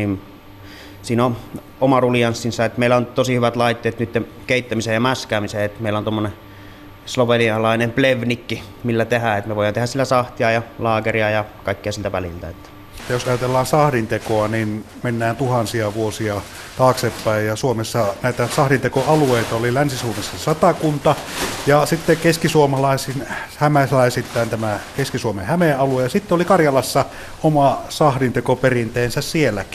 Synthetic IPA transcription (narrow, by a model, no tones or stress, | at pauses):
in | siːno | omɑrulijɑnsːinsɑet̪meˑilæont̪osihyʋæt̪lɑit̪ːeːt̪nyt̪ːe | keˑit̪ːæmisejjɑmæskæːmiseet̪meˑilːæont̪omːone | sloʋeliɑlɑˑinempleʋnikːi | milːæt̪ehæet̪meʋoˑijɑnt̪ehæsilːæsɑht̪iɑjɑlɑːkeriɑjɑkɑˑikːeɑsilt̪æʋælḭlt̪æ̰et̪ːæ̥ | t̪ːjosɑjɑt̪elːɑːnsɑhdint̪ekoɑnin | menːæːnt̪uhɑnsiɑʋuosiɑ | t̪ɑːksepːæˑejjɑsuomesːɑnæˑit̪æsɑhdint̪ekoɑlueˑit̪ɑolilænsisuomesːɑesɑt̪ɑkunt̪ɑjɑsit̪ːekeskisuomɑlɑˑesinhæmæslæˑesit̪ːˑæˑːnt̪æmækeskisuomḛhæmeʔʔɑluejɑsit̪ːeolikɑrjɑlɑsːɑ | omɑsɑhdint̪ekoperint̪eːnsæssielːæki